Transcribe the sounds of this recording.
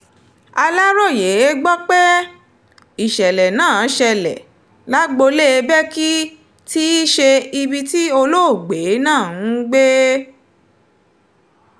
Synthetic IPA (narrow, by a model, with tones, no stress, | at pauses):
a˧la˦ɾɔ˦˨je˨˦e˦ɡ͡bɔ˦k͡pe˦ | i˨ʃɛ˨lɛ˨nãː˦˨˦ʃɛ˧lɛ̰˨ | la˦ɡ͡bo˧le˦˨˧bɛ˦ki˦ | ti˦i˦ʃe˧i˧bi˧ti˦o˧lo˦o˦˨ɡ͡be˨˦nãː˦˨˦ɡ͡be˦